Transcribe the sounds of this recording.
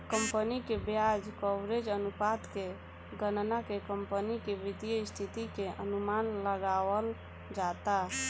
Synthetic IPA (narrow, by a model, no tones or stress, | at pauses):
kəmpənikebjad͡ʒkɔbɾed͡ʒənupat̪ke | ɡənnakekəmpənikeʋit̪ijəist̪ʰit̪ikeʔənumanləɡawəl | d͡ʒat̪a